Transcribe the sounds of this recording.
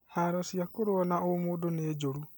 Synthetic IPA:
haɾasiakoɾoɔnaomodoneːd͡ʒoɾu

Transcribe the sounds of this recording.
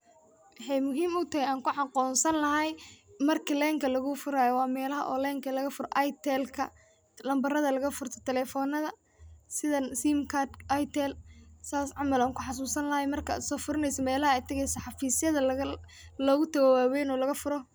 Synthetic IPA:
wɑħɑjmʊɦiːmʊt̪ʰɐhɛjaːŋkʰʊʕɑqɔːnsɐnlɐɦɛjmɐrkʰilɛːŋkʰɐlɐɣʊfʊɾaːjɔwɑːmɛːlɐɦɐʔɔ̰ːlɛːŋkʰɐlɐɣɐfʊɾɔ̰ʔɑjt̪ʰɛlkʰɐ̰ | lɐmbɐrɐðɐlɐɣɐfʊrt̪ʰɔ̥t̪ʰɛlɛːfɔːnɐðɐ | sɪðɐnsiːmkʰad̪ʔajt̪ʰɛlsaːsʕɑmɐlaːŋkʰʊħɑs̬uːsɐnlɐhɐjmɐrkʰɐa̰sɔːfʊɾɪnɛjsɐmɛːlɐɦɐɛjt̪ʰɐɣɛjsɐħɑfiːsjɐðɐ | lɔɣʊt̪ʰɐɣɔwaːwɛːnɔːlɐɣɐfʊɾɔ

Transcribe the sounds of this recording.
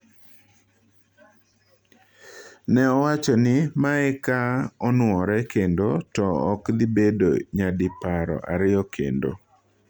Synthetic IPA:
nɛɔwat͡ʃɔnɪmaɛkaɔnwɔɾɛkendotɔːklɪbedo̰ɲadɪpaɾɔ̰ʔaɾɪɔkʰḛndo̰

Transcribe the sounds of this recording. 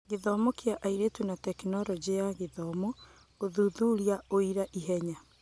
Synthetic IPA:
ɣeðɔmɔkeaʔaiɾetwunatɛknɔɾɔd͡ʑejaɣeðɔmɔ | ɣoðuðuɾjaoiɾaʔiɦɛɲa

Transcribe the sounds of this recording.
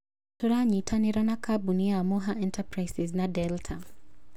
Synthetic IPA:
tɔɾaɲitʰaniɾanakʰabuniamɔɦaʔɛntapɾajsɛznadɛltʰa

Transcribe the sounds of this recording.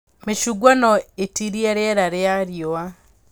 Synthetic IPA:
meʃuɡwanɔetiɾieɾeeɾaɾeaɾjoa

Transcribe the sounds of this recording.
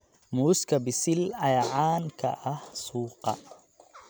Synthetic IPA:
muːskʰɐbɪsɪlɐjʕaːnkʰɐ̰ʔɐhsuːqɑ̰

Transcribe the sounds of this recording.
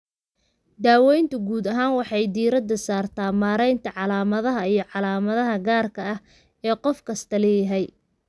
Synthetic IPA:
d̪aːwɛjnt̪ʰʊɡuːd̪ɐɦaːnwɑħɑjd̪iːɾɐd̪ɐsaːrt̪ʰaːmaːɾɛjnt̪ʰɐʕɑlaːmɐðɐɦɐijɞʕɑlaːmɐðɐɦɐɡaːrkʰɐɐh | ɛːqɔfkʰɐst̪ʰɐlɛːjɐɦɛj

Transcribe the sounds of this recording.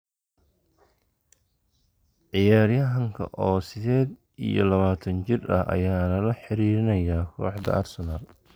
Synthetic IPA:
ʕɪjaːɾjɐɦɐŋkʰɐ̰ʔɔːsɪðɛːd̪ | ḭjɔ̰lɐβaːt̪ʰɐnt͡ʃɪrɐ̰ʔɐ̰jaːlɐlɐħɪɾiːɾɪnɐjaːkʰɔ̰ːħd̪ɐ̰ʔɐrsɐnaːl

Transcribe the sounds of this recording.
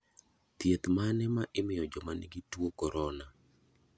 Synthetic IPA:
t̪jet̪manɛmaʔɪmɪjɔd͡ʒɔmanḭɡitwokɔɾɔna

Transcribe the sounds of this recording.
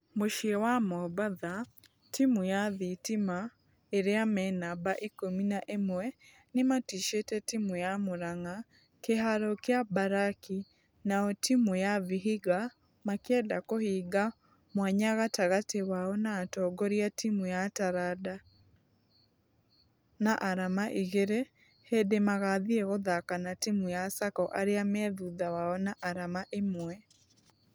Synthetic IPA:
moʃiɛwamɔbaða | timujaðitima | eɾeamɛnabaʔikominaʔemwɛ | nematiʃetɛtimujamoɾaŋa | keɦaɾɔkjabaɾaki | naɔtimujaviɦiɣa | makɛdakohiːɡa | mwaɲaɣataɣatewaɔnaːtɔːɡɔɾiatimujataɾada | naʔaɾamaʔiɣeɾe | hedemaɣaðiɛɣoðakanatimujasakɔʔaɾeamɛðuðawaɔnaʔaɾamaʔemwɛ

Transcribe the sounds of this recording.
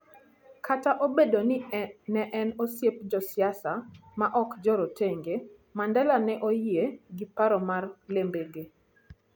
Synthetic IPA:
kʰataʔobedonɪnɛʔɛnosjep̚d͡ʒɔsɪasamaʔɔkd͡ʒɔɾoteŋɡe | mandɛlanɛʔojieɡipaɾɔmarlembeɡe

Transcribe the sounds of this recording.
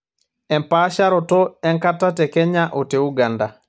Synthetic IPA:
ɛmpaʃaɾɔtɔɛŋkatatɛkɛɲaʔɔteuɡanda

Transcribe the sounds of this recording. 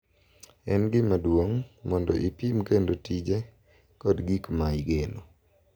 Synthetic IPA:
ɛnɡɪmadwoŋmɔndɔ̰ʔipimkendotid͡ʒe | kɔdɡikmajiɡeno

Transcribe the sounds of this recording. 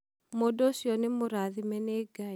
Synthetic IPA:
modosjɔnɪmoɾaðimɛneɡa

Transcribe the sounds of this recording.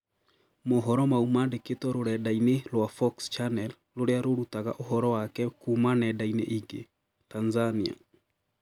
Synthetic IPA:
moɦɔɾɔmaumadeketɔɾoɾɛdainelwafɔkst͡ʃanɛl | loɾeaɾoɾutaɣa̰ʔoɦɔɾɔwakɛkumanɛdainḛʔiɡḛ | tanzania̰

